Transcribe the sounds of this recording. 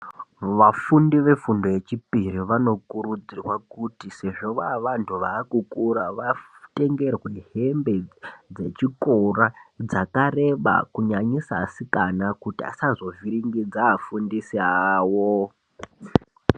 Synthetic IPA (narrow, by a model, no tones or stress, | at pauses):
ʋafundiʋe̞fundo̞je̞t͡ʃipiriʋano̞kuɾud͡zirwakutise̞ʐo̞ʋaʋantʰuʋaːkukuɾaʋate̞ŋɡe̞rwe̞ɦe̞mbe̞d͡ze̞̰t͡ʃiko̞rad͡zakare̞ɓa̰kuɲaɲisasikanakutia̰sazo̞viɾiŋɡid͡zaːfundisiaːwo